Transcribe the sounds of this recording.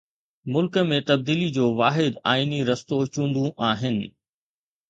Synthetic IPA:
mʊlkəmẽt̪ɐb̚d̪iːlid͡ʑoːʋaːɦɪd̪a̰ːiniɾɐst̪ot͡ɕũːɳɖ̪ũʔaːɦɪnɪ̆

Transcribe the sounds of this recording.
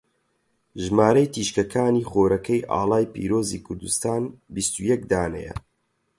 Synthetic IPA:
ʒmaːɾɐjt̪ʰiːʃkɐkʰaːniːχoːɾɐkʰɐjʔa̰ːlˠaːjpḭːɾoːzḭkʰʊɾd̪ust̪aːnbist̪ujɛk̚d̪aːnɛ̰jɐ̰

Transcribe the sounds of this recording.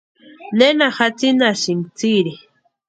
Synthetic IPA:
nenaxat͡sinaʃimt͡siɾi

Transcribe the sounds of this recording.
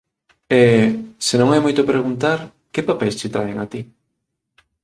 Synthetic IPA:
ɛsenõŋɛmojt̪opɾeɣ̞unt̪aɾ | kepapɛjst͡ʃɪt̪ɾaeŋat̪i

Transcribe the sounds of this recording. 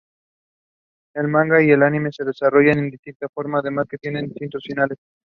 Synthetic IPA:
e̞lmãŋɡaie̞lanime̞se̞ð̞e̞saro̞ʝane̞nd̪ist̪int̪afo̞ɾmaːðe̞masket̪je̞nend̪ist̪int̪o̞sfinale̞s

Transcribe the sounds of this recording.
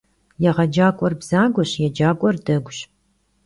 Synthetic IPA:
jɛʁɐd͡ʒaːkʷʼɔrbz̥aːɡʷɔɕjɛd͡ʒaːkʷʼɔrdɐɡʷɕ

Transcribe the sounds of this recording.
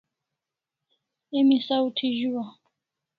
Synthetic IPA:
emisautʰiʒuwa

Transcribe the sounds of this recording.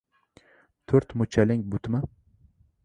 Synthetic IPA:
t̪ʰɵɾt̪mʊt͡ʃʰalɪŋbʊt̪ma

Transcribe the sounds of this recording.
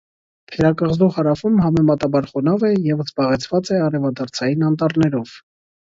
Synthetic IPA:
t̪ʰɛɾɑkɑʁzuχhɑɾɑfumɦɑmɛmɑt̪ɑbɑɾχɔnɑvɛjɛvzbɑʁɛt͡sʰvɑt͡sɛɑɾɛvɑd̪ɑɾt͡sʰɑjinɑnt̪ɑɾnɛɾɔv̥

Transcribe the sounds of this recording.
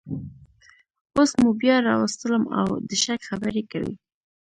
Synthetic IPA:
osmubjɑɾɑwast̪ələma̰wd̪əʃakxabəɾeka̰wḭ

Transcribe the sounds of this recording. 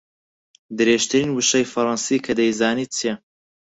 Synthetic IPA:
d̪ɨɾeːʃt̪ʰɨɾiːnwɨʃɐjfɐɾɑnsiːkʰɐd̪ɐjzaːniːt͡sʰijɛ

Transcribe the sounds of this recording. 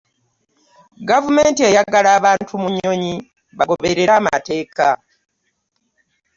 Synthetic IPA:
ɡavumeːntie̞jaɡalaːβaːntʰumuɲo̞ɲi | βaɡo̞βeɾe̞ɾaːma̰te̞ːka

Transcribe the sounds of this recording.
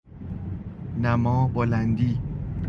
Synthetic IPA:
næmɔːbolænd̪iː

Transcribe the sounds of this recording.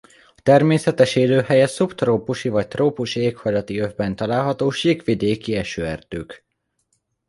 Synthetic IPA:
ɒt̪ɛrmeːsɛt̪ɛʃeːløːhɛjɛsupt̪roːpuʃivɒc̚t̪roːpuʃieːkhɒjlɒt̪iøvbɛnt̪ɒlaːlɦɒt̪oːʃiːkʋid̪eːkiɛʃøːɛ̰rd̪̥øːk

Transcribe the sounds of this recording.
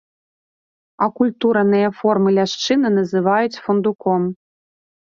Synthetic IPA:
ɐkulʲt̪uɾɐnɨjɐfɔrmɨlʲaʂt͡ʂɨnɨnɐzɨvajut͡sʲfɔnd̪ukɔm

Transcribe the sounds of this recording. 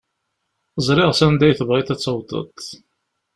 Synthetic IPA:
əzˤɾˤɪʁsænd̪æjθəvʁiθæt͡sːəwd̪ˤə̰t̪ˤ

